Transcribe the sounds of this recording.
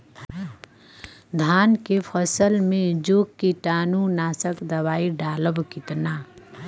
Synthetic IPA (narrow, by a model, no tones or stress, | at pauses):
d̪ʱaːnkepʰəsəlmẽd͡ʒoːkːiʈaːnunaːsəkd̪əbaːiɖaːləbkɪt̪na